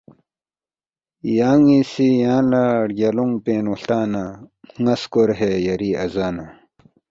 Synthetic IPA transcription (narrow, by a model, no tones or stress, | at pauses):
jaːŋisijãːlaɽɡɐluŋpeːnuɬt̪aːnaŋɐskoɾɦejɐɾiːɐzaːna